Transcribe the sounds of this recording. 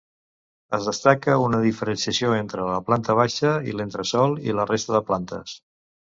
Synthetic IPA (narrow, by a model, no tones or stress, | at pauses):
əzðəst̪akəunəðifəɾənsiəsioent̪ɾələplant̪əβ̞aʃəḭlent̪ɾəsɔlˠḭlərest̪əðəplant̪ə̰s